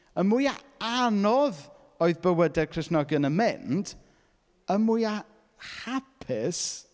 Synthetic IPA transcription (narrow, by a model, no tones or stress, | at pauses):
əmuja | anɔð | oɨðbəwədɛrkʰrɪsnɔɡjənəmɪnd | əmuja | hapʰɪs